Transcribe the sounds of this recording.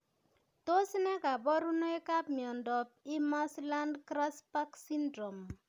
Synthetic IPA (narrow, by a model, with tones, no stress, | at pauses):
to˦snɛ˦ka˨bɔ˦ɾu˦no˦e˦ka˦p̚mjɔ˨ndɔ˨p̚i˦mɔ˦sla˦ndkɾa˦spa˦ksi˦ndɾo˨m